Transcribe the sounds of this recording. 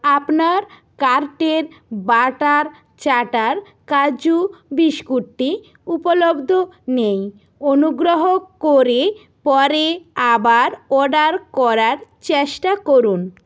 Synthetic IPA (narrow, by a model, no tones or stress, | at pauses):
apnaɾ | kaɾʈeɾ | baʈaɾ | t͡ɕaʈaɾ | kad͡ʑubiʃkuʈʈːi | upolobd̪ʱonej | onuɡɾoɦokoɾe | pɔɾeabaɾɔɖaɾkɔɾaɾt͡ɕeʃʈakoɾun